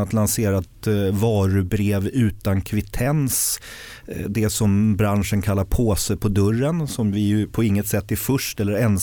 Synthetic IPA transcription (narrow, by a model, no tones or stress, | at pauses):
at̪lanseːɾat̪vɑːɾɵbɾeːvʉ̟ːt̪ankʰvɪt̪ʰɛns | d̪ɛsɔmbɾanʂənkʰalːaɾpʰoːsəpʰɔd̪ɵrːənsɔmvɪjɵpʰɔɪŋːət̪sɛt̪ːɪfɵʂʈɛlːəɾɛn